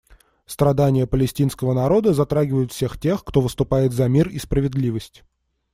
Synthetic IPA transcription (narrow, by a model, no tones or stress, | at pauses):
st̪ɾɐd̪anʲɪjəpəlʲɪsʲtʲin̪skəvənɐɾo̞d̪əzɐt̪ɾaɡʲɪvəjʊt̪fsʲe̞xtʲe̞xkt̪o̞vɨst̪ʊpajɪt̪zɐmʲirispɾəvʲɪd̪lʲivəsʲtʲ